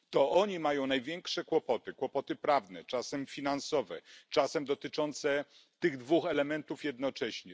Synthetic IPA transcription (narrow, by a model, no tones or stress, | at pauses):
t̪ɔʔɔɲimajɔ̃w̃najvʲjɛŋkʂɛkwɔpɔt̪ɘkwɔpɔt̪ɘpɾavnɛt͡ʂasɛmfʲinansɔvɛ̰t͡ʂasɛmd̪ɔt̪ɘt͡ʂɔnt̪sɛ | t̪ɘɣd̪vuxɛlɛmɛnt̪ufjɛd̪nɔt͡ʂɛɕɲɛ